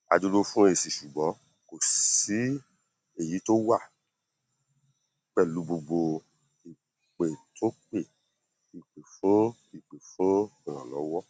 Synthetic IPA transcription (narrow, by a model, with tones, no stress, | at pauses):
a̰˧du˧lo˦fũ˦e˧˨si˨ʃu˨ɡ͡bɔ̃˨˦ | ko˨si˨˦ | e˦˨ji˨˦to˦wa˦˨ | k͡pɛ˦˨lu˨˦bo˧ɡ͡bo˧ | i˨ | k͡pe˨tʰo˦k͡pe˦˨ | i˨k͡pe˨fũ˦ | i˦˨k͡pe˨fũ˦i˨ɾ̃ã˨lɔ̰˨˦wɔ˦